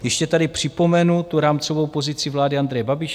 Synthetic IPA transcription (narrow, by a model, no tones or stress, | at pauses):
jɛʃcɛt̪adɪpr̝̥ɪpo̞mɛnut̪uɾaːmt͡so̞vo̞wpo̞zɪt͡sɪvlaːdɪand̪ɾɛjɛbabɪʃ